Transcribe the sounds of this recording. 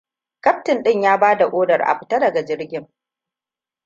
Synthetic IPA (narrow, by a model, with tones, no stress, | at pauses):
kɐ˦p̚tɪ˨nɗɪ˦ɲjaː˦baː˦da˨ʔʷʼoː˦dɐ˨rʔa̰˨ɸɪ̥˦tɐ˦dɐ˨ɡa˨d͡ʒɪ˦rɡʲɪ˦ŋ